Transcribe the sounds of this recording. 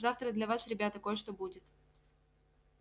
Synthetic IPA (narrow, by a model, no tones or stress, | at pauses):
zaft̪ɾəd̪lʲɐvasɾʲɪbʲat̪əkojʂt̪obudʲɪt̪